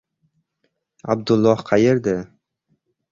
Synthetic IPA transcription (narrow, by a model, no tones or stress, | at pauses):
a̰b̚d̪ʊlˠːɒhqʰɑjɪɾd̪ɪ